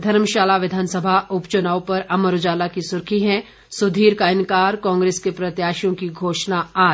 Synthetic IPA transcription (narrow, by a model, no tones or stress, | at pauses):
d̪ʱɐɾmʃaːlaʋɪd̪ʱaːnsəbʱaʊpt͡ʃʊnaːwpɐɾɐməɾʊd͡ʒaːlakisʊɾkʰiɦɛ̃ | sʊd̪ʱiːɾkaɪ̃nkaːɾkɔ̃ːŋɡɾeːskepɾɐt̪jaːʃjõkiɡʱoːʃnaaː